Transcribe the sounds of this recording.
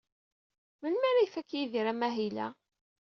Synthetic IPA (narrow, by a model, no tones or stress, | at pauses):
mənmæɾifækːjiðiɾæmæɦilæ̰